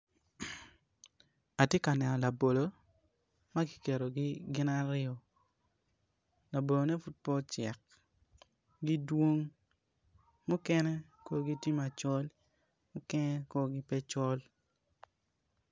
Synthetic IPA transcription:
a˨tje˦ka˨nɛ˨nɔ˨la˨bo˨lo˨ | ma˦ɡi̥˨ke˨ɾo˨ɡi˦ɡɪ˦na˦ɾɪɔ˨ | la˨bo˨lo˨nɛ˦fu˦t̚pɔ˦t͡ʃɛ˨k̚ | ɡi˦dwo˦ŋ | mʊ˦kɛ˦nɛ˦ | ko˦ɡi˦ti˦ma˨t͡ʃɔ˦l | mʊ˦kɛ˦nɛ˦ko˦ɡi˦pɛ˦t͡ʃɔ˦l

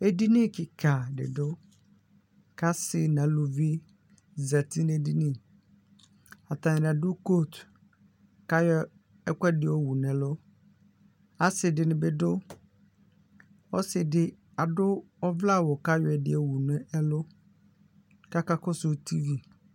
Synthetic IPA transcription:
e˦di˦nɪ̃˦kɪ˨kʰa˨dɪ̰˨dʊ˦ | kʰa˦sɪ˨nã˨˦lʊ˨vi˦ | za˨tʰi˦n˦e˦di˦nĩ˦˨ | a˨tã˨n˨a˨dʊ˦ko˦˨t | ka˦jɔ˦ | ɛ˦kʷɛ˦dɪ˨ɔ˦wu˨n˨ɛ˨lʊ˦ | a˨sɪ˨dɪ˨nɪ̃˨bɪ˦dʊ˦ | ɔ˦sɪ˨dɪ˨ | a˨dʊ˦ | ɔ˦vla˦˨wɔ˨ka˦jɔ˨ɛ˨dɪ̰˦e˨wu˨nʊ̃˦ɛ˦lʊ˦ | ka˦ka˦kʊ˦sʊ˨tʰi˦vi˨

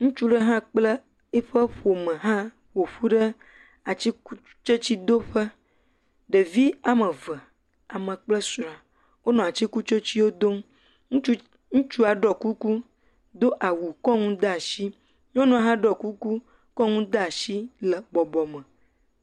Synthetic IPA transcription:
ŋũ˦t͡ʃu˦ɖə˦ɦã˦k͡plə˦ | e˦ɸə˦ɸo˨mə̃˨ɦã˦ | ɸo˨ɸu˦ɖə˦ | a˨t͡ɕi˦ku˦ | t͡ʃə˦t͡ɕi˦d̪o˦ɸə˦ | ɖə˨vi˦a˨mə̃˨və˨ | a˨mə̃˨k͡plə˦sɾa˨ | wo˦nɔ̃˨a˨t͡ɕi˦ku˦t͡ʃo˦t͡ɕi˦wo˦d̪o˦m˦ | ŋũ˦t͡ʃu˦a˨ɖɔ˨ku˦ku˦ | d̪o˦ʔa˨wu˨kɔ˦ŋũ˦d̪a˦˨ʃi˦ | ɲɔ̃˦nɔ̃˨ɦã˦ɖɔ˨ku˦ku˦ | kɔ˦ŋũ˦d̪a˦˨ʃi˦lə˨bɔ˨bɔ˨mə̃˨

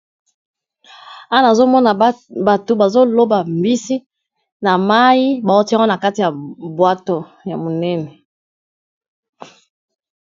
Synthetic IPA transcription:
a˦na˨zo˦mɔ˦na˨ba˨to˨ba˨zo˦lo˦ba˨mbi˦si˦ | na˨ma˦i˦ba˨o˦ti˦a˦ɡo˦na˨ka˦ti˨ja˨bwa˦to˨ | ja˨mo˨nɛ˦nɛ˨

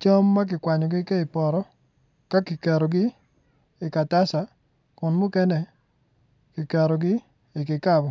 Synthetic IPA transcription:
t͡ʃo˦mːa˦k̬ɪ˨kwa˨ɲɔ˨ɡɪ˦ke˦ɪ˨pɔ˨ɾɔ˦ | ka˦ki˨kɛ˨ɾɔ˨ɡɪ˦ | ɪ˨ka˨ta˦sa˨ | kʊ˨nmʊ˦kɛ˦nɛ˨ | ki˨kɛ˨ɾɔ˨ɡɪ˦ | ɪ˨kɪ˨ka˦bɔ˨

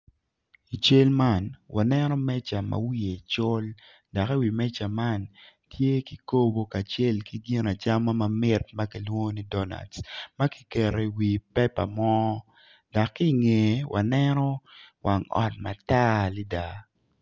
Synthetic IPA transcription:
i˨t͡ʃe˦lma˦nwa˨nɛ˦nɔ˦mɛ˦t͡ʃa˨ma̰˨wi˦e˨t͡ʃʊ˦l | da˨ki˦wi˨mɛ˦t͡ʃa˨ma˦n | tʰje˦ki˨ko˦bo˦ka˨t͡ʃe˦lki˦ɡi˦na˨t͡ʃa˦ma˦ma˨mɪ˦t̚ma˦ki˨˦lwo˦ni˦dɔ˦na̰˨dsma˦ki̥˦kɛ˨ɾe˨wi˨pɛ˦pa̰˨mɔ˦ | da˨kːi˦˨ŋe˨wʔa̰˨nɛ˦nɔ˦wʔa˨ŋɔ̰˨t̚ma˨ta˦li˦da˨

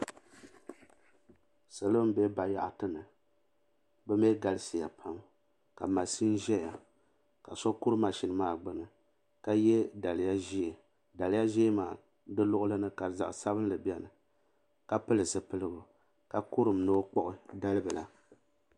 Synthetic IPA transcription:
sa˨lo˦m̩˦bɛ˦ba˨ja̰˦ʔtɨ˦nɨ˨ | bɛ˦m˦ɛ˦ɡa˨lɨ˦si˨ja̰˨pʰa˦m | ka˨ma˨si˦n˦ʒɛ˦ja˨ | ka˨sɔ˦ku˦ɾɨ˦ma˨ʃi˨nɨ˦maː˦˨ɡ͡bɨ˦nɨ˨ | ka˦jɛ˦da˨lɨ˨ja˦ʒi˦˨ | da˨lɪ˨ja˦ʒi˦maː˨ | dɨ˦lʊ˦ʔʊ˦lɨ˦nɨ˦ka˨za̰˨ʔsa˦bɨ˦n˦lɨ˨bjɛ˦nɨ˨ | ka˨pɨ˦lɨ˨sɨ˨pɨ˦lɨ˦ɡʊ˨ | ka˨ku˦ɾɨ˨mno˦k͡pɔ˦ʔɨ˦da˦lɨ˦bɨ˨la˨

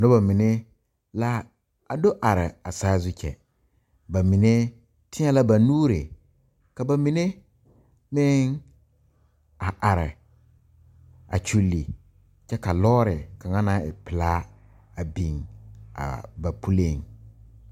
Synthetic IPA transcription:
no˦ba˨mɪ˨ne˦ | la˦ | a˨do˦ʔa˨ɾɪ˨a˨saː˦zʊ˦t͡ʃʰɛ̰˨ | ba˨mi˨ne˦ | tʰɪ˦ɲa˦la˦ba˨nuː˦ɾe˨ | ka˨ba˨mi˨ne˦ | mɪ˦ŋ | a˨ʔa˨ɾɪ̰˨ | a̰˨t͡ʃu˦lːi˨ | t͡ʃɛ˦ka˨lɔː˦ɾɪ˨ka˨ŋa˦na˦ɪ̰˨pɪ˨laː˦ | a˨bi˨ŋa̰˨ba˨pʰu˦le˦˨ŋ

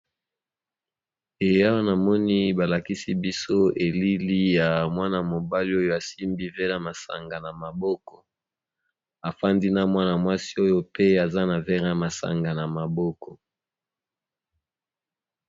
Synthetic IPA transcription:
e˨ja˦wa˦na˨mɔ˦ni˦ba˨la˨ki˦si˦bi˦so˦e˨li˦li˦ja˨mwa˦na˨mo˨ba˦li˦o˦jo˦a˨si˦mbi˦ve˦la˦ma˨sa̰˨ŋɡa˨na˨ma˨bɔ˦kɔ̥˨ | a˨fa˦ndi˦na˦mwa˦na˨mwa˦si̥˦o˦jo˦pe˦a˨za˦na˨vɛ˦ʁa˦ma˨sa̰˨ŋɡa˨na˨ma˨bɔ˦kɔ˨

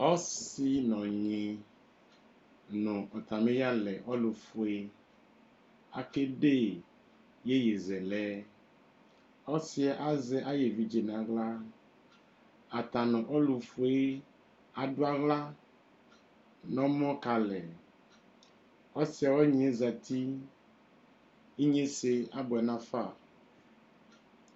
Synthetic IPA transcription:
ɔ˦si˦nɔ̃˨ɲĩ˨ | nũ˨ʔɔ˨t̪a˨mẽ˦ja˦lɛ˨ʔɔ˦lu˨fu˨e˦ | a˨ke˦ɖe˦ | je˦je˨zɛ˨lɛ˦ | ɔ˦si˦ɛ˨ʔa˦zɛ˦ʔa˦je˨vi˦d͡ʒe˨nã˨ɡla˦ | a˨t̪a˨nɔ̃˨ʔɔ˦lu˨fu˨e˦ | a˨ɖo˦a˦ɣla˦ | nɔ̃˦mɔ̃˦ka˨lɛ˨ | ɔ˦si˨˦a˨wɔ˦ɲ̃˨e˦za˨t̪i˦ | i˦ɲẽ˦se˨a˦bɔ˨ɛ˨nã˦fa˦˨

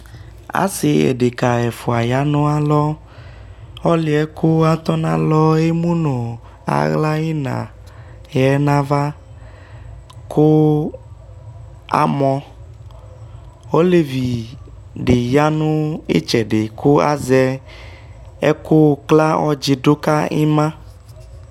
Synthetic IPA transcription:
a̰˨si˨ḛ˨ɖe˨ka˨ɛ˨fu˨a˨ja˦nʊ̃˦a˨lɔ˦ | ɔ˦lɪ˨ɛ˦kʊ˦a˦t̪ɔ˦nã̰˦˨lɔ˦e˦mũ˦no˨ | a̰˨ɣla˦e˦nã̰˨jɛ˨˦nã˦va˦ | kʊ˦ | a̰˨mɔ̃˦ | o˦le˨vi˨ | ɖe˨ja˦nʊ̃˦ḛ˦t͡ʃɛ˨ɖe˨kʰu˦a̰˦zɛ˦ | ɛ̰˦ku˦kla˦ɔ˦d͡ʒi˨do˦ka˦ḛ˦mã˦

